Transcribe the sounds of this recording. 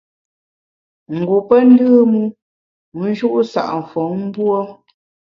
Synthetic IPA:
ŋ̩˨ɡu˨pə˦n̩˦dɨː˦mu˦˨˦ | n̩˦ʒu˦ʔsa̰˨ʔm̩˨fɔ˨˦ŋm̩˦bwɔ˦

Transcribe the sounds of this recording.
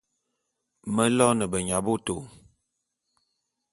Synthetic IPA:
mə˦lɔ˦nə˨bə˨ɲa˨bo˦to˨

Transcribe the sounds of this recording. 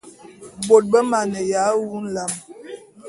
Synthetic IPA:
bo˨t̚bə˦ma˨nə˨ja˨˦wu˦n̩˦la˨m

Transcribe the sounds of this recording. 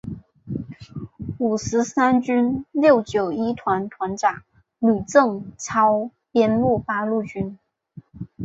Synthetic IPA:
u˨˩ʂɻ̩˧˥sa˥nt͡ɕy˥nljo˥˩ʊt͡ɕjo˨˩ʊi˥t̪ʰwa˧˥nt̪ʰwa˧˥nʈ͡ʂa˨˩˦ŋ | ly˨˩t͡sɤ˥˩ŋt͡sʰɑ˥ʊ | pjɛ˥nlu˥˩pa˥lu˥˩t͡ɕy˥n

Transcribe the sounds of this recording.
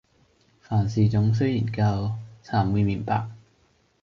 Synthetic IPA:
faː˨˩nsiː˨˩t͡sʊ˨˥ŋs̬yː˥ji˨˩nkaː˧wt͡sʰaː˨˧˩mwiː˧miː˨˩˦npa̰ː˧˩k̚

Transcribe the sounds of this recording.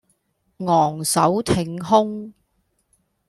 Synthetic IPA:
ŋɔː˨˩ŋsɐ˨˥wt̪ʰɪ˨ŋɦʊ˥ŋ

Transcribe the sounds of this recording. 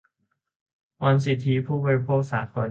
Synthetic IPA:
wa˧ns̬i˨˩t̪ʰːi˧˦˥pʰuː˥˩bɔ˧ɾi˧pʰoː˥˩k̚saː˩˦t̪̚kɔː˧˩

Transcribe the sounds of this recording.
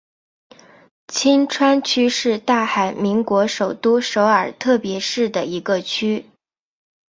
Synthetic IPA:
t͡ɕʰi˥nʈ͡ʂʰwa˥nt͡ɕʰy˥ʂɻ̩˥˧t̪a˥˩xa˨˩ɪmi˧˥ŋkwɔ˧˥ʂo˨˩ʊt̪u˥ʂo˧˥ʊə˞˨˩t̪ʰɤ˥˩pjɛ˧˥ʂɻ̩˥˩d̪ə˩i˧˥ɡə˧t͡ɕʰy˥

